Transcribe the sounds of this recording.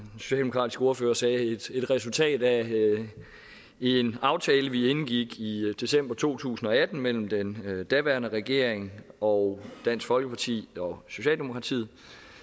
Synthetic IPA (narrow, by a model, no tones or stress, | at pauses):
so̝ɕɛ̰ːldeokʰʁɑ̰ːdisɡ̥əo̝ɐføːɐsɛːed̥e̝d̥ʁɛsult͡sʰɛ̰ːd̥æ | e̝nɑ̈ʊt͡sʰɛːləʋienɡ̥iɡ̥id̥e̝sem̰b̥ɐt͡sʰo̝̰ːt͡sʰṵːsn̩ɒ̽æd̥n̩mel̰m̩d̥end̥æʋæɐnəʁɛɡ̥e̝ɐ̰eŋɒ̽d̥æn̰sfɒ̽lɡ̥əpʰɑ̈t͡sʰḭːɒ̽so̝ɕɛ̰ːld̥e̝mo̝kʰʁɑ̈t͡sʰḭð̰̩ˠ